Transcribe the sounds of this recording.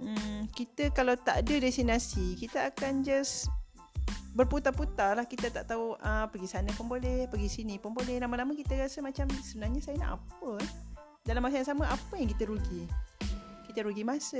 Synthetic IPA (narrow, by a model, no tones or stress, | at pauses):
m̩kit̪əkalawt̪aʔdədɛsinasikit̪əakand͡ʒas | bərput̪aput̪alahkit̪ət̪aʔt̪auʔəpəɡisanəpəmbolɛhpəɡisinipəmbolɛhlamalaməkit̪əɾasəmat͡ʃamsəbənarɲasajəna̰ʔa̰pə | dalamas̬aãsaməʔapəjaŋkit̪əɾuɡi | kit̪əɾuɡimasə